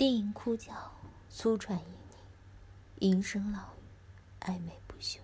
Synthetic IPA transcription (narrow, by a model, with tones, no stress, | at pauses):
t̪i˥˩i˧˥ŋkʰu˥t͡ɕjɑ˨˩ʊ | t͡sʰu˥ʈ͡ʂʰwa˨˩ni˧˥ni˧˩ŋ | i˧˥nʂɤ˥ŋlɑ˨˩ʊy˩˧˩ | a̰˥˩ɪme˨˩ɪpu˥˩ɕjo˥˩˦